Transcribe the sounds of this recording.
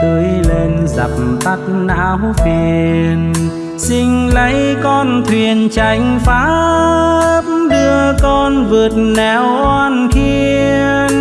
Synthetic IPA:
t̪ə˧˦jle˧nza̰˨˩p̚mt̪a˦˥t̚naː˧wfi˧˩˧n | sï˧ŋ̟lə˨˦jkɔ˧nt̪ʰwi˨˩ənt͡ɕa˨˧˩jŋ̟faː˨˧˦ | ə˦p̚ɗɨ˧əkɔ˧nvɨ˨˩ət̚nɛ˨˧˩wʔwaː˧nkʰi˧ | ə

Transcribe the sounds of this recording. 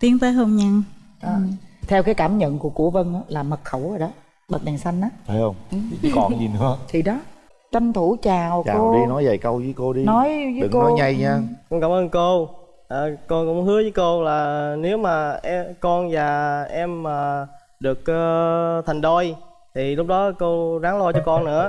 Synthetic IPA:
t̪i˨˦əŋt̪ə˨˦ɦə˧mɲa˧ŋ | ʔaː˨˩t̪ʰɛ˧wkaː˨˦jkaː˧˩mɲə̰˧˨nku˧˩əku˧˩əvə˧nʔaː˨˦laː˨˩mə˨˩t̚xə˧˩wzə˨˩ɗɔ˨˦ | ɓə˨˩t̚ɗa˨˩ŋsa˧jŋ̟ʔaː˨˦t̪ʰe˨˦jhə˧wŋ͡mʔkɔ̰˧˨˩zi˨˩nɨ̰˧˦ət̪ʰi˨˩ɗɔ˨˦ | t͡ɕə˧ŋt̪ʰu˧˩t͡ɕaː˨˩wt͡ɕaː˧˨˧ɗi˧nɔ˨˦jvə̰˧˩jkə˧wzəː˨˦jko˧ɗi˧nɔ˨˦jvəː˨˦ɨ̰˨ko˧nɔ˨˦jɲa˧jɲaː˧kŋ͡mkaː˧˩mʔəː˧nko˧ | ʔəː˨˩kɔ˧kɔ˧˥whɨ˨˦əvəː˨˦jko˧laː˨˩ne˨˦wmaː˨˩ʔɛ˧kɔ˧nvaː˨˩ʔɛ˧mːaː˨˩ | ɗɨ˨˩ək̚ʔəː˧t̪ʰɛ˨˩ŋɗo˧j | t̪ʰi˨˩lʊ˦˥k͡p̚ɗɔ˨˦ko˧zaː˨˦ŋlo˧jt͡ɕɔ˧kɔ˧nnɨ̰˧˥ə

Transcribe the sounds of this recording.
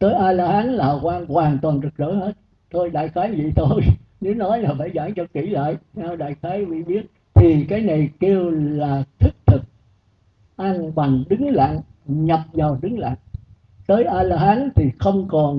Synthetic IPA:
t̪əː˨˦jʔaː˧jlaː˧ɦaː˨˦nlaː˨˩kwaː˧nkwaː˨˩ŋt̪waː˨˩nt̪ɨ˨˩k̚zə̰ː˧˥˦jhe˦˥t̚ | t̪ʰo˧jɗa̰ː˧˨jxaː˨˦jvḭ˧˨t̪ʰo˧jne˨˦nɔ˨˦jlaː˨˩faː˧˩jza̰ː˧˩ŋt͡ɕɔ˧ki˧˩la̰ː˧˨jna˧wɗa̰ː˧˨jxaː˨˦jvḭ˧˨ɓi˦˥ət̚ | t̪ʰi˨˩kaː˨˦jna˨˩jke˧wlaː˨˩t̪ʰi˦˥k̚t̪ʰɨ˨˩k̚ | ʔa˧nɓa˨˩ŋɗɨ˨˦ŋla̰ː˧˨ŋ | ɲə˨˩p̚zaː˨˩wɗɨ˨˦ŋla̰ː˧˨ŋ | t̪əː˨˦jʔaː˧jlaː˧haː˨˦nt̪ʰi˨˩xə˧wŋ͡mkɔ˨˩n

